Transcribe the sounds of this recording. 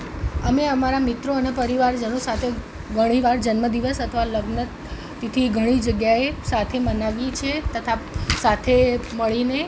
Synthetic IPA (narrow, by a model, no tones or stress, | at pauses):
əmeəmaɾamit̪ɾoənepəɾiʋaɾd͡ʒənosat̪ʰe | ɡʱəɽ̃iʋaɾd͡ʒənməd̪iʋəsət̪ʰəʋaləɡnət̪ː | it̪ʰiɡʱəɽ̃id͡ʒəɡjaesat̪ʰemənaʋit͡ʃʰet̪ət̪ʰasat̪ʰeməɭine